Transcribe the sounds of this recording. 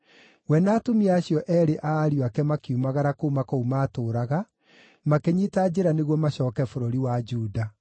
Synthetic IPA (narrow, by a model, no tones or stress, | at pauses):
wɛnaːtomiaaɕjɔʔɛɾeʔaːɾjoakɛmakiumaɣaɾakoumakoumaːtoːɾaɣa | makeɲitad͡ʑeɾaneɣwɔmaɕɔːkɛfoɾoɾiwad͡ʒuːda